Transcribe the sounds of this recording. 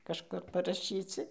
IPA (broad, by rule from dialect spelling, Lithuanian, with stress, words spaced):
kɐʃˈkʊr pɐrɐˈʃʲiːt͡sʲɪ